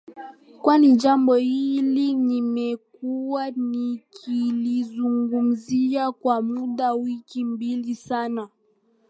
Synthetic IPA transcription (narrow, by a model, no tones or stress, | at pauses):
kwaniʄambɔhilinimɛk̚uwanikʰilizuŋɡum̩ziakwamuɗawikimbilisana